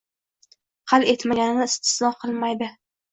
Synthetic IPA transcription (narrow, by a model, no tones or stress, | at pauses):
qʰɑlˠe̞t̪maɡʲanɪnɪːst̪ʰɪ̥slɒqʰɨlˠmajd̪ɪ